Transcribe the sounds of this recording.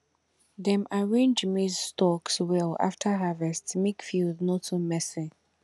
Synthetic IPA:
ðɛ̃maɹẽnd͡ʒmizstɔkswɛla̰ftʰəɦavɛstsmekfildnotʰumɛsi

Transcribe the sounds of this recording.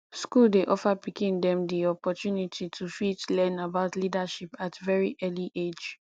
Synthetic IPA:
skuldeʔɔfapikĩndɛ̃mdiɔpɔtjunitʰitʰufitlɛ̃nabaʊtlidaʃipatvɛɹiʔɛliʔed͡ʒ

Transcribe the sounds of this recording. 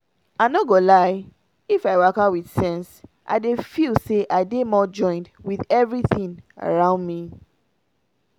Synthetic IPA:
aɪnɔɡolaɪ | ifaɪwakawiðsɛ̃nsʔa̰ɪdefilseʔaɪdemɔd͡ʒɔ̃ɪ̃ndwiðɛvɹiθĩna̰ɹãʊ̃ndmi

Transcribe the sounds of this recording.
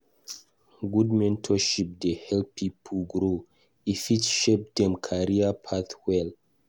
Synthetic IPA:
ɡud̚mɛ̃ntʰɔʃip̚dehɛlpʰipʰuɡɹo | ifitʃep̚dɛ̃mkʰaɹiapʰaθwɛl

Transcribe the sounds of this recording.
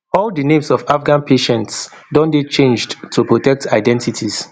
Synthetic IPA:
ɔldinẽmsɔfafɡãnpʰeʃɛ̃nts | dɔ̃ndet͡ʃẽnd͡ʒdtʰːupɹotɛk̚tʰaɪdɛ̃ntitʰis

